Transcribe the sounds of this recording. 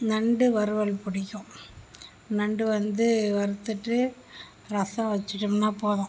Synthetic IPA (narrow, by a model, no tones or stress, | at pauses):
nɐɳɖɯʋɐɾɯʋɐɭpʊɽɪkʲːʊ̃ | nɐɳɖɯʋɐnd̪ɯʋɐɾɯt̪ːɯʈːɯ | ɾɐsɐ̃ʋɐt͡ʃːɪʈːɯmnaːpoːðãː